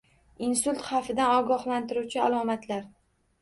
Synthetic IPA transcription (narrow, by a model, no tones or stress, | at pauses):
insʊlʲt̪χafɪd̪anɒɡɒhlant̪ɪɾuwt͡ʃʰɪalˠɒmat̪ʰlaɾ